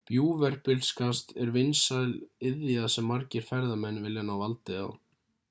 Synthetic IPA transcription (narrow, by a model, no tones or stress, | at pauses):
pjuːvɛɾ̥pɪlskʰast̪ɛɾvɪnsalɪðjasɛmːaɾcɪɾ̥fɛɾðamɛnːvɪljanawvalt̪ɪa̰w